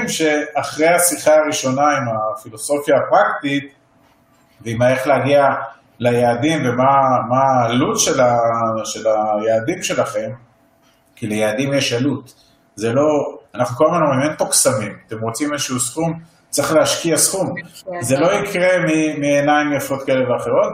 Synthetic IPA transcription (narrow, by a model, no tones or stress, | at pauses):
mʃe̞aχʁehasiχaːʁiʃo̞naimafilo̞so̞fjaːpʁakt̪it̪ | veimaeχleaɡia | lajaːdimvemamaːlut̪ʃelaʃe̞lajaːd̪imʃe̞laχe̞m | kilejaːd̪imjeʃalut̪ | zelo̞anaχnukomanoʁimentoksamimat̪e̞mʁo̞t͡simezeʃuusχum | t͡sʁeχleaʃkiasχumzelo̞ikʁe̞mimienaimjafo̞t̪kaele̞veaχeʁo̞t̪